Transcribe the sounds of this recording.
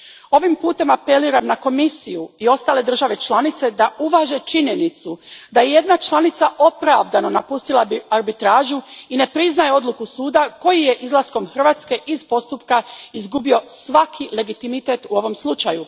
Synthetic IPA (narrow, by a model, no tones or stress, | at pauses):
o̞ʋimpuːt̪e̞mape̞liːɾamnako̞misijuio̞st̪aːle̞d̪r̩ʒaʋe̞t͡ʃlˠanit̪se̞d̪auʋaːʒe̞t͡ʃiɲe̞nit̪sud̪ajeje̞d̪nat͡ʃlˠanit̪saʔo̞pɾaʋd̪ano̞napust̪ilˠaaɾbit̪ɾaːʒuine̞pɾiznajeo̞d̪lukusuːd̪ako̞jije̞ʔizlˠasko̞mxr̩ʋaːt̪ske̞ʔizpo̞st̪upkaizɡubio̞sʋakʰile̞ɡit̪imit̪e̞t̪uo̞ʋo̞mslˠut͡ʃaju